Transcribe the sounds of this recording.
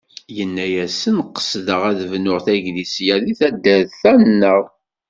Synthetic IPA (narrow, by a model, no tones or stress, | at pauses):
jənːæjæsənqːə̥sðəʁæðvnʊʁθæʝðisjæðiθæd̪ːæððθænːəʁ